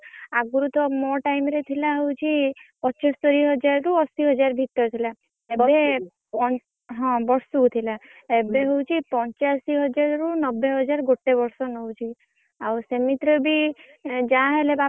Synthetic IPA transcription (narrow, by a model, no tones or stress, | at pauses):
aɡuɾut̪ɔmɔʈajmɾet̪ʰilaɦowt͡ʃʰipɔt͡ʃast̪ɔɾiɦɔd͡ʒaɾɾuɔsiɦɔd͡ʒaɾbʱit̪ːɔɾt̪ʰila | ebe | ɔ | ɦɔ̃bɔɾsɔt̪ʰila | ebeɦowt͡ʃʰipɔnt͡ʃasiɦɔd͡ʒaɾɾunɔbːeɦɔd͡ʒaɾɡoʈːebɔɾsɔnɔwt͡ʃʰi | awsemit̪ɾɔbi | d͡ʒaɦeleba